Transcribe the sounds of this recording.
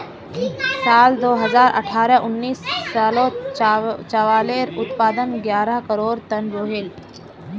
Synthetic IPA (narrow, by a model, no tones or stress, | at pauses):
sald̪oɦəd͡zaɾʔə̰ʈʰaɾjaʔunːiːsːalo | t͡ʃəʋaleɾut̪pad̪ənɡjaɾakəɾoɾt̪ənɾoɦeːl